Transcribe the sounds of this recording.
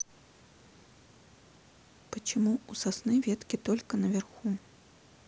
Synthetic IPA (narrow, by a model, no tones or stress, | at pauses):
pɐt͡ʃimuusasnɨvʲɛt̪kʲit̪ɔlʲkɐnɐvʲɛrxu